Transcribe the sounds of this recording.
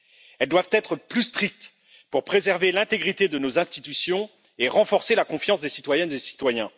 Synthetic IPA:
ɛld̪wavt̪ɛt̪χəplyst̪χik̚t̪ | puʁpχezɛʁvelɛ̃t̪eɡʁit̪ed̪ənozɛ̃st̪it̪ysjɔ̃ | eʁɑ̃fɔʁselakɔ̃fjɑ̃sd̪esit̪wajɛnzesi̥t̪wajɛ̃

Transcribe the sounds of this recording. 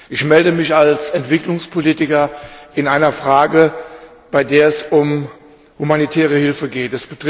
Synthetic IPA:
ʔɪçmɛldəmɪçalsɛntv̥ɪklʊŋspʰoliːtɪkɐʔɪnaɪnɐfʁ̥aːɡə | b̥aɪdeːɐɛsʊm | humanitʰɛːʁ̞əhɪlfəɡeːtɛsb̥ətʁ

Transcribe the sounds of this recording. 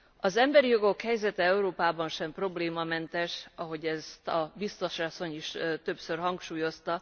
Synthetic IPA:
ɒzɛmbɛɾijo̞ɡo̞khɛjzɛt̪ɛɛuɾoːpaːbɒnʃɛmpro̞bleːmɒmɛnt̪ɛʃɒɦo̞ɟɛst̪ɒbist̪o̞ʃɒso̞ɲiʃt̪ø̞psørɦɒŋkʃuːjo̞st̪ɒ

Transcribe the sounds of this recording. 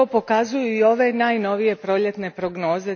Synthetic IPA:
opo̞kazujuio̞ʋe̞naːjno̞ʋije̞pɾo̞ʎe̞t̪ne̞pɾoɡno̞ːze

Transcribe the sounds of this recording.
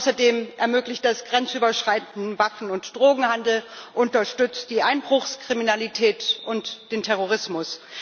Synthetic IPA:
ʊsɐdeːmʔɛɐmøːklɪçt̚d̥asɡ̥ʁɛnt͡sʔyːbɐʃʁ̥aɪtn̩n̩vafn̩ʊntd̥ʁoːɡŋ̩handl̩ʔʊntɐʃtʏt͡st̚d̥iːʔaɪnbʁʊxskʁ̥iminalitʰɛːtʔʊntd̥eːntʰɛʁoʁ̞ɪsmʊs

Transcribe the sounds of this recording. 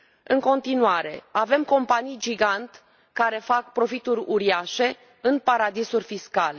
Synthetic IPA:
ɨŋko̞nt̪inuaɾe̞̰ave̞mko̞mpanijd͡ʒiɡant̪ | kaɾe̞fak̚pɾo̞fit̪uɾʲuɾiaʃe̞ | ɨnpaɾad̪isurʲfiskale̞

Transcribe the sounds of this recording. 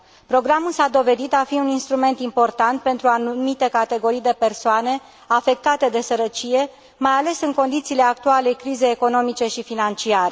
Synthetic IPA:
pɾo̞ɡɾamulsad̪o̞ve̞d̪it̪afiuninst̪ɾume̞nt̪impo̞rt̪ant̪̚pe̞nt̪ɾuanumit̪e̞kat̪e̞ɡo̞ɾijd̪e̞pe̞rsoane̞ | afe̞k̚t̪at̪e̞d̪e̞səɾət͡ʃije̞ | majale̞sɨŋko̞nd̪it̪siːle̞ak̚t̪ualekɾizejeko̞no̞mit͡ʃe̞ʃifinant͡ʃiaɾe

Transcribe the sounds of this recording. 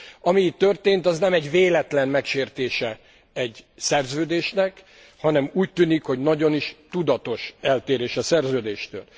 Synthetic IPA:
ɒmiːt̪ːø̞rt̪eːnt̪ɒznɛmɛɟveːlɛt̪lɛnmɛkʃeːrt̪eːʃɛ | ɛɟsɛrzøːd̪eːʃnɛk | hɒnɛmuːc̚t̪ːyːnikho̞ɟnɒɟo̞niʃt̪ud̪ɒt̪o̞ʃɛlt̪eːɾeːʃɛsɛrzøːd̪eːʃt̪ø̰ːl

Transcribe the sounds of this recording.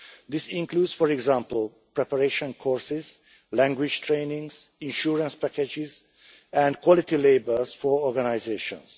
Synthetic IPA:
d̪isĩŋkluːdsfɔɹɛɡzãmpl̩ˠ | pɹɛpəɹeʃɔ̃nkʰɔɹsɪz | læ̃ŋɡwɪd͡ʒtʰɹẽːnĩŋsĩnʃuɹə̃nspæked͡ʒɪz | æ̃ndkʰwɔlit̪ileɪbəlzfɔɹɔɹɡanaɪzeːʃɔ̰̃ns

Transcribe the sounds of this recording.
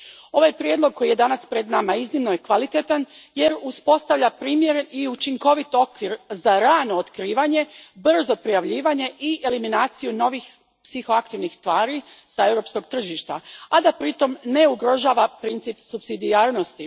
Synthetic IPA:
o̞ʋajpɾjed̪lˠo̞ɡ̚kʰːo̞jije̞d̪anaspɾed̪namaiznimno̞je̞kʋalit̪et̪anje̞ɾuspo̞st̪aʋʎʲapɾiːmjeɾeiut͡ʃiŋko̞ʋit̪o̞kʋiɾzaɾaːnoot̪kɾiːʋaɲe̞br̩zo̞pɾijaʋʎiːʋaɲe̞ʔiʔe̞liminaːt̪sijuno̞ʋix | psixo̞akt̪iʋnixst̪ʋaːɾisae̞ʋɾo̞ːpsko̞ɡ̚t̪r̩ʒiʃt̪a̰ad̪apɾit̪o̞mne̞uɡɾo̞ʒaːʋapɾint̪sipsubsid̪iaːɾno̞st̪i

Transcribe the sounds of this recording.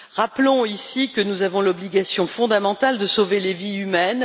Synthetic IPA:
ʁaplɔ̃isikənuzavɔ̃lɔbliɡasjɔ̃fɔ̃d̪amɑ̃t̪ald̪əsoveleviymɛn

